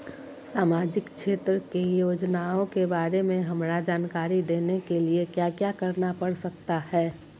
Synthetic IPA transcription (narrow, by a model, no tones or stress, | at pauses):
saːmaːd͡ʒɪkʃeːt̪ɾəkejoːd͡ʒnaõkebaːɾemẽɦɐmɾad͡ʒaːnkaːɾid̪eːnekeliekjaːkjaːkɐɾnapɐɽsək̚t̪ahɛː